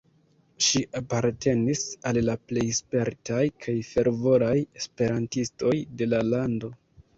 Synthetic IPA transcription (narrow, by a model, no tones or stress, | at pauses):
ʃiʔapaɾte̞nisalːaple̞jspe̞ɾtʰajkʰajfe̞ɾvo̞ɾaje̞spe̞ɾantisto̞jde̞lalando̞